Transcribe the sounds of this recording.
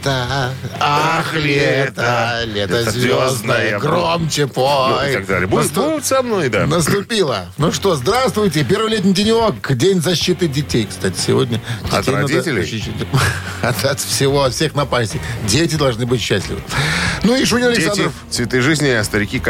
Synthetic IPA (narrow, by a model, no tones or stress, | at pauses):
t̪a | axlʲet̪əlʲet̪əzʲvʲoznəjəəɡromt͡ɕɪpoj̪aɡd̪alʲɪjəbunt̪uɪt̪sɐmnojd̪anəst̪ʊpʲilˠənuʂt̪o̞zd̪ɾast̪vʊjtʲɪpʲervɪlʲetʲnʲɪjdʲɪnʲokdʲenʲzɐɕːit̪ɨdʲɪtʲejkst̪atʲɪ̥sʲɪvodʲnʲəd̥ʲɪtʲɐd̪tʲɪlʲɕɪɕenʲ | ɐt̪ɐt̪fsʲɪvoɐfsʲexnɐpasʲtʲɪdʲetʲɪd̪ɐlˠʐnɨbɨtʲɕːæsʲlʲɪ̰vɨ̰nuiʂunʲoɐlɪkssand̪ɾəfsvʲɪt̪ɨʐɨzʲnʲɪɐst̪əɾʲɪkʲi